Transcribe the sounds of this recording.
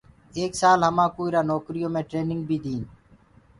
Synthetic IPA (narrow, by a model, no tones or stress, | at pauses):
eːksaːlɦəmãːkuːiɾaːnoːkɾɪjõːmẽːʈɾeːnɪŋɡ̚bʱiːd̪ĩːn